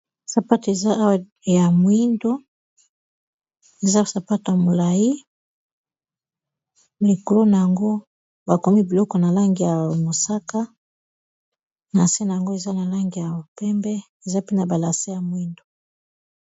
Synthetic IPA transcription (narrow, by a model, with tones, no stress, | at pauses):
sa˨pa˦te˨za˦a˦wa˨ | ja˨mwi˦ndo˦ | e˨za˦˨sa˨pa˦to˨ja˨mo˨la˨ji˦ | li˨ko˨lo˦na˨ja˨ŋɡo˦ | ba˨ko˨mi˦bi˨lɔ˦kɔ˨na˨la˦ŋɡi˨ja˨mo˨sa˦ka˦ | na˨se˦na˨ja˨ŋɡo˦e˨za˦na˨la˦ŋɡi˨ja˨o˨pɛ˦mbɛ˦ | e˨za˦pe˦na˨ba˨la˨se˦ja˨mwi˦ndo˨